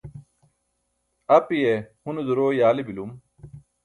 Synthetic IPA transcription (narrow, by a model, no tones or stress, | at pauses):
ɐpijehund̪uɾoːjaːlibilum